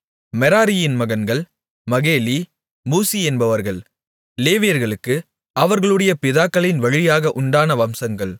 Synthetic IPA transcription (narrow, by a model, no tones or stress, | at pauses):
mɛɾaːɾɪjɪnmɐɣɐnɡɐɭ | mɐɣeːli | muːsiɛnbɐʋɐɾɣɐɭ | leːʋɐjɐɾɣɐɭɯkːɯ | ʔɐʋɐɾɣɐɭɯɽɐjɐpɪðaːkːɐɭɪnʋɐɻɪjaːɣɐʔʊɳɖaːnɐʋɐmsɐŋɡɐɭ